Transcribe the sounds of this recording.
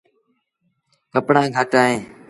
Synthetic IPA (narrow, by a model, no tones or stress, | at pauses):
kəpɳãːɡʱəʈaːɦẽː